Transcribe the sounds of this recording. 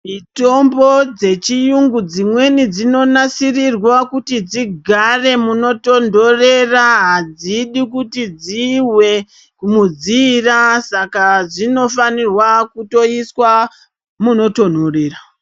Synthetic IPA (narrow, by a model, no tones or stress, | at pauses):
mito̞mbo̞d͡ze̞t͡ʃijuŋɡud͡zimwe̞nid͡zino̞nasirirwakutid͡ziɡʱare̞muno̞to̞ndo̞re̞raɦad͡ziɗikutid͡ziwe̞ | kumud͡zirasakaʐino̞fanirwakuto̞iswa | muno̞to̞ndo̞re̞ːra